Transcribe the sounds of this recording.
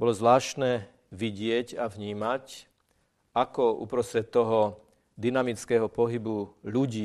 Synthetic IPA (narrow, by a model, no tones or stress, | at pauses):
bɔlɔzʋlaːʃnɛː | ʋiɟɪɛcavɲiːmac | akɔṵpɾɔst̪ɾɛt̪ːɔɦɔ | d̪inamit͡skɛːɦɔpɔɦibuʎuɟiː